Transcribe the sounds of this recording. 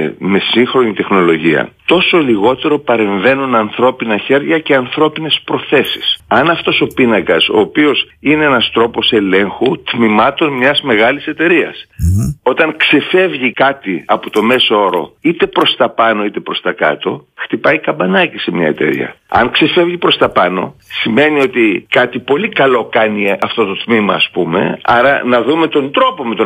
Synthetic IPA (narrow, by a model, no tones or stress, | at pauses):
me̞siŋxɾo̞nit̪e̞xno̞lo̞ʝiɐ̰t̪o̞so̞liɣo̞t̪e̞ɾo̞pɐɾe̞ɱve̞nunɐnθɾo̞pinɐçe̞ɾʝɐce̞ɐnθɾo̞pine̞spɾo̞θe̞si̥sɐnɐft̪o̞so̞pinɐkɐso̞ːpio̞s | ine̞enɐst̪ɾo̞po̞se̞le̞ŋxut̪mimɐt̪o̞nmɲɐzme̞ɣɐlise̞t̪e̞ɾiɐ̰so̞t̪ɐŋkse̞fe̞vʝikɐt̪iɐpot̪o̞me̞soo̞ɾo̞̰it̪e̞pɾo̞st̪ɐpɐno̞it̪e̞pɾo̞st̪ɐkɐ̰t̪o̞xt̪ipɐjkɐmbɐnɐcisemɲɐ̰e̞t̪e̞̰ɾḭɐ̰ɐ̰ŋkse̞fe̞vʝipɾo̞st̪ɐpɐno̞̰sime̞nio̞t̪ikɐt̪ipo̞likɐlo̞kɐniɐft̪o̞t̪o̞t̪mimɐːspume̞̰ɐɾɐnɐðume̞t̪o̞nd̪ɾo̞po̞me̞t̪o